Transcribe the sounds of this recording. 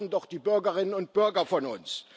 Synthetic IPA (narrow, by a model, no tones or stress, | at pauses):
n̩dɔχd̥iːbʏɐɡɐʁɪnənʊnt̚b̥ʏɐɡɐfɔnʊ̰ns